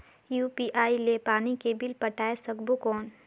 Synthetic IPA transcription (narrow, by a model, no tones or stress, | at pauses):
juːpiːʔaːilepaːnikebɪlpɐʈaːesɐɡbukɔːn